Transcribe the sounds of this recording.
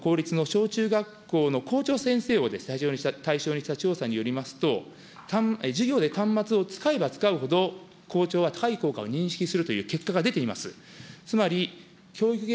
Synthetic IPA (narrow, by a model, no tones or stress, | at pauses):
ko̞ːɾʲit͡sɨno̞ɕo̞ːt͡ɕɨːɡakːo̞ːno̞kʰo̞ːt͡ɕo̞ːsẽ̞ɰ̃se̞ːo̞d̪e̞sɨ̥t̪aiʑo̞ːɲ̟iat̪aiɕo̞ːɲ̟iɕi̥t̪at͡ɕo̞ːsaɲ̟ijo̞ɾʲimasɨ̥t̪o̞ | t̪amd͡ʑɨɡʲo̞ːd̪e̞t̪ãmːat͡sɨo̞t͡sɨ̥kae̞bat͡sɨ̥kaɯ̟ho̞d̪o̞ | ko̞ːt͡ɕo̞ːβat̪ḁkaiko̞ːkao̞ɲ̟ĩɰ̃ɕi̥kʲisɨɾɯ̟t̪o̞jɯ̟ːke̞kːaɡad̪e̞t̪e̞imasɨ̰ | t͡sɨmaɾʲi | kʲo̞ːikɯ